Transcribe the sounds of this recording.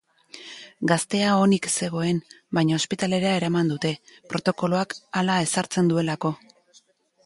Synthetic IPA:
ɡast̪e̞ao̞nikse̞ɣ̞o̞e̞n | bajɲaospit̪ale̞ɾeaeɾamand̪ut̪e̞pɾo̞t̪o̞ko̞loakalae̞saɾt͡se̞nd̪ue̞lako̞

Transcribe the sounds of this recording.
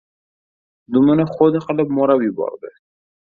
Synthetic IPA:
d̪umənaxod̪exalakmoɾawibɑ̰ɾd̪e

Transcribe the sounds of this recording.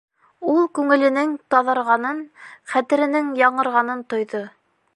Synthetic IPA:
ulˠkʉŋɘ̆lɘ̆nɘŋt̪ɑðɑ̆ɾʁɑnɤnχæt̪ɘ̆ɾɘ̆nɘŋjɑɴɤ̆ɾʁɑnɤnt̪ŏjðo

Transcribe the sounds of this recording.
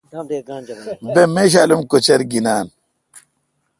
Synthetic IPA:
bemeɕ̬aːlumkot͡ɕɐɾɡinaːn

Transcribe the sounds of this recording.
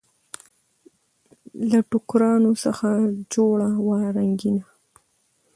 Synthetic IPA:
laʈʊkɾɑːnosɑxad͡ʒoːɭawaːɾaŋɡɪna

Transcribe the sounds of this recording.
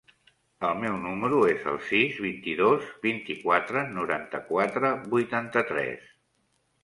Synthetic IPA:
əlˠmɛwnuməɾuezə̰lˠsizβint̪iðozbint̪ikwat̪ɾənuɾa̰nt̪əkwat̪ɾəbujt̪ant̪ət̪ɾɛ̰s

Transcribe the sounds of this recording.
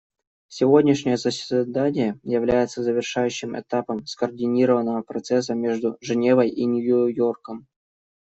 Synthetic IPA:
sʲɪvo̞dʲnʲɪʂnʲɪjəzəsʲd̪anʲɪjəjɪvlʲæjɪt̪səzəvʲɪrʂajʉɕːɪmʔɛ̰t̪apəmskərdʲɪnʲiɾəvənːəvəpɾɐt̪sɛs̬ːəmʲe̞ʐd̪ʊʐɨnʲe̞vəjinʲʊjʊjo̞rkəm

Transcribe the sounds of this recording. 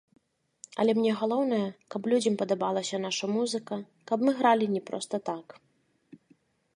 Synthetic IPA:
ɐ̰lʲɛmnʲɛɣalˠɔwnɐjɐkɐplʲud͡zʲɐmpɐd̪abalˠɐsʲɐnaʂɐmuzɨkɐ | kɐbmɨɣɾalʲinʲɛpɾɔ̰st̪ɐt̪ak

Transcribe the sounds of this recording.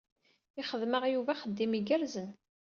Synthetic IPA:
ɪχəðməʁjuvæχəd̪ːimiɡəɾzən

